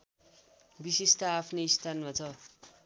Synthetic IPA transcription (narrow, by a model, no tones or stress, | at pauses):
bisist̪aːpʰneist̪ʰanmat͡sʰʌ